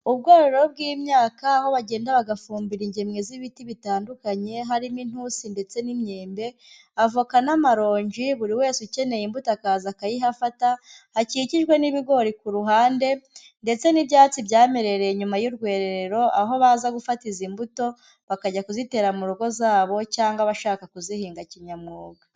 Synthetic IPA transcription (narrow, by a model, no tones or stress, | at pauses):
ubɡoːɾoɾoob̚ɡimɲaːkaːho̞βaɟe̞ːndaβaɡafuːmbiɾiɲɟemŋeziβitiβitaːndukaɲe̞ɦaɾimin̥husinde̞t͡se̞nimɲeːmbe̞ | avokanamaɾo̞ːɲɟiβuɾiwe̞ːsuce̞ne̞jimbutoakazakajiɦafata | haciciʒɡwe̞niβiɡo̞ɾikuɾuɦaːnde̞ | nde̞t͡se̞nibjaːt͡sibɟaːme̞ɾe̞ɾe̞ɲumajuɾɡwe̞ːɾeɾeɾo̞ʔaɦo̞βazaɡufatizimbuto̞ | βakaɟakuzite̞ːɾamuɾoɡo̞zaːβo̞caːŋɡaβaʃaːkakuzihiːŋɡaciɲamŋoːɡa